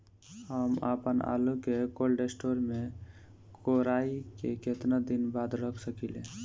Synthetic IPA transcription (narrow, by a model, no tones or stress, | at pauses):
ɦəma̰ːpəna̰ːlukekolɖesʈoːɾmẽ | koɾaːikeket̪nad̪inbaːd̪ɾəkʰsəkilẽ